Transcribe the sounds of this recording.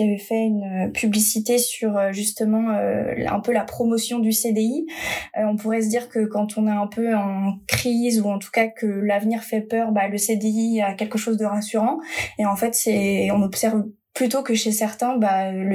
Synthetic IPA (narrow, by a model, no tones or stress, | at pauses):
avɛfɛynøpʰyblisit̪esyʁøʒyst̪əmɑ̃ø̰ɛ̰̃pølapχɔmɔsjɔ̃d̪ysed̪eiøɔ̃puʁɛs̬əd̪iʁkəkɑ̃t̪ʰɔ̃nɛɛ̃pøɑ̃kχizuɑ̃t̪u̥kakəlavniʁfɛpœʁbaləsed̪eiiakʲɛlkəʃozd̪əʁasyʁɑ̃eɑ̃fɛt̪sɛɔ̃nɔbsɛʁv | plyt̪okəʃesɛʁt̪ɛ̃baøl